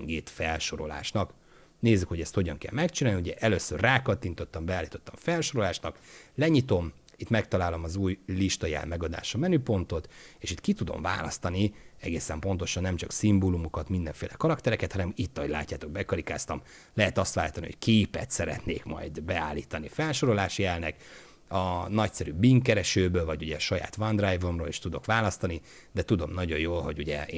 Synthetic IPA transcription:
ŋɡeːt̪fɛlʃo̞ɾo̞̰la̰ːʃnɒk | neːzːykho̞ɟɛst̪ho̞ɟɒŋkɛ̰lmɛkt͡ʃinaːlniuɟɛʔɛløːsːørraːkɒt̪ːint̪o̞t̪ːɒmbɛaːlːiːt̪o̞t̪ːɒɱfɛlʃo̞ɾo̞laːʃnɒklɛɲit̪o̞m | it̪mɛkt̪ɒlaːlo̞mɒzuːjliʃt̪ɒjɛ̰lmɛɡɒd̪a̰ːʃɒmɛnyːpo̞nt̪o̞t̪eːʃit̪kit̪ud̪o̞̰mva̰ːlɒ̰st̪ɒniɛ̰ɡeːsɛmpo̞nt̪o̞ʃɒnːɛmt͡ʃɒksimbolumukɒt̪mind̪ɛɱfeːlɛkɒɾɒkt̪ɛɾɛkɛt̪hɒnɛmit̪ːɒɦoɟʲla̰ːcːaːt̪o̞ɡ̚bɛkɒɾika̰ːst̪ɒm | lɛɦɛt̪ɒst̪ʋaːlːit̪ɒnḭhockʰeːpɛ̰t̪sɛɾɛ̰t̪nḛːkmɒ̰jd̪bɛa̰ːlːḭːt̪ɒnifɛlʃo̞ɾo̞laːʃjɛlnɛk | ɒnɒcsɛɾybiŋkːɛɾɛʃøːbøːlvɒɟuɟɛʃɒja̰ːt̪ʋɒnd̪rajvo̞mroːleːʃt̪ud̪o̞̰kʋaːlɒst̪ɒni | d̪ɛt̪ud̪o̞mnɒɟojoːlho̞ɟuɟɛ̰ː

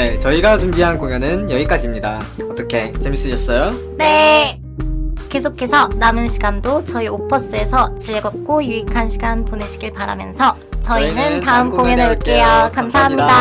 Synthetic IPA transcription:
ne̞t͡ɕʌiɡat͡ɕumbiɦankoŋjʌnɯnjʌik͈ad͡ʑimɲidaʌt͈ʌkʰe̞t͡ɕemis͈ɯɕʰʌs͈ʌjo | ne̞ | ke̞sʰokʰe̞sʰʌnamɯnɕʰiɡandot͡ɕʌiopʰʌs͈ɯe̞sʰʌt͡ɕieɡʌp̚k͈ojuikʰanɕʰiɡanponeɕʰiɡiɭpaɾa̰mjʌ̰nsʰʌ | t͡ɕʌiinɯntaɯmkoŋjʌnek͈ejakamsʰaɦamɲida

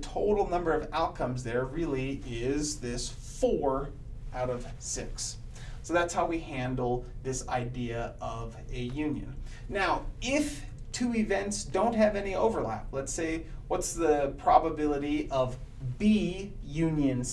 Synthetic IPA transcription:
tʰoʊɾl̩ˠnʌ̃mbə˞ʌvaʊt̚kʰʌ̃mzðə˞ɹɪlˠiɪzðɪs | fɔɹ | aʊɾʌv̥sɪks | soʊðætshaʊwihæ̃ndˡl̩ˠðɪsa̰ɪdiɨʔʌvɨjʉ̃njɨ̰̃nː | aʊɪf | tʰʉɪvɛ̃ntsd̥õʊ̃nt̚ɦɨvɛnioʊvə˞læ̰p̚lətseɪwʌtsðɨpʰɹ̥ɑbəbɪlˠəɾiʔʌvbijʉ̃njɨ̃nz̥

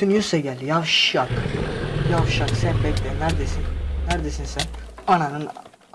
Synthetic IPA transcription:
ynjysɛɟælʲjafʃak | javʃaksɛplɛclɛnæɾd̪esinːæɾd̪esinsɛnananɯn

